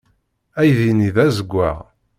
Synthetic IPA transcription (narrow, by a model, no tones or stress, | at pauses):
æjðiniðæzəɡʷːæ̰ʁ